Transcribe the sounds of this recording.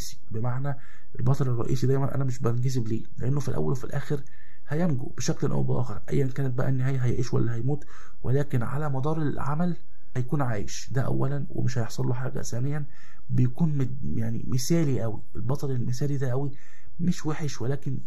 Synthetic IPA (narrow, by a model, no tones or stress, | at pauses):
ʔːsi̥bemaʕnæ | ʔelbɑt̪ˤɑlerˤːɑ̰ʔḭːsid̪æjmænʔæ̰næmeʃbænɡezebleːleʔenːofilʔæ̰wːæ̰lwefilʔæːxeɾ | hæjæmɡṵb̥eʃækleʔæ̰wbeʔæ̰ːxeɾʔæ̰jːænkæːnet̪̚bæʔæ̰ʔenːeɦæːjɦæjʕiːʃwæ̰lːæɦæjmuːt̪ | wʔḛlæːkenʕa̰læmɑd̪ˤɑːɾˤelʕamæl | hæjækuːnʕa̰ːjḛʃd̪æʔæ̰wːælænwḛmeʃhæjeħsˤɑlːuħaːɡæ̰sæːnejːæn | bejækuːnm | jaʕnḭmesæːliʔæwḭʔelbɑt̪ˤɑlelmesæːlid̪æʔæwi | meʃweħeʃwelæːken